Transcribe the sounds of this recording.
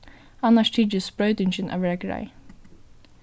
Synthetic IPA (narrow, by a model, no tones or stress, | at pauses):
ɑnɑʃtʰiːd͡ʒəspɹœʏd̪ʏnçənʔæ̰ʋəɹæɡɹɑ̰ɪ